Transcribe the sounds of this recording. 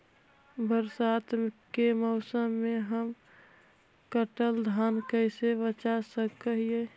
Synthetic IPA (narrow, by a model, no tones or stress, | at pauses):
bəɾsat̪kemɔʊsəmːeɦəm | kəʈəld̪ʱaːnkəɪsebət͡ʃasəkəɦie